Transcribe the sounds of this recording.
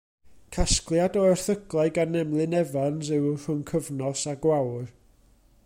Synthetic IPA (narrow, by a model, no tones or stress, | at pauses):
kʰasklˠjadɔɛrθəɡlˠaɨɡanɛmlˠɨnɛvanzɨwr̥ʊnkʰəvnɔsaɡwawr